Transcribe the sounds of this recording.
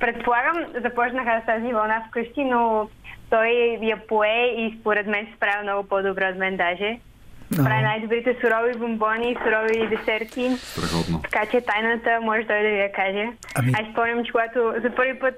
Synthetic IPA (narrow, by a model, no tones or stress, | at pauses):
pɾɛt̪̚polˠaɡəmzɐpɔt͡ʃnəxast̪azivɐlˠnafkɤʃt̪inot̪ɔjjɐpoɛispoɾɛt̪mɛnsɛ̥spɾavimnɔɡʊpɔd̪obɾɛot̪mɛnd̪aʒɛ | pɾavinajd̪obɾit̪ɛsʊɾɔvibombɔniːsʊɾɔvid̪ɛsɛɾt̪ipɾɛ̰xɔ̰d̪no̰t̪ɐ̥kat͡ʃɛt̪ajnət̪əmɔʒɛt̪ɔjd̪ɐvijɐkaʒɛ | aʃʃpɔmɲʲɐmt͡ʃɛ̥kʊɡat̪ʊzɐpɤɾvipɤt̪